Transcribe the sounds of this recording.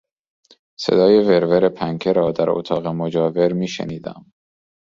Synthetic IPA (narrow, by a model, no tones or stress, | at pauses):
se̞̰d̪ɒːje̞ve̞ɾveɾepʰæŋkʰeɾɒːd̪æɾo̰t̪ʰɒːɣemod͡ʒɒːve̞ɾmiːʃḛniːd̪æ̰m